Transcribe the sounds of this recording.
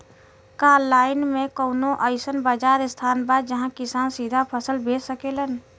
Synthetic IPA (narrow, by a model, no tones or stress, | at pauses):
kaːɾlaːɪnmẽkoːnõʔəɪsənbad͡ʒaːɾɪst̪ʰaːnbaːd̪d͡ʒəɦãkɪsaːnsid̪ʱapʰəsəlbeːsəkelən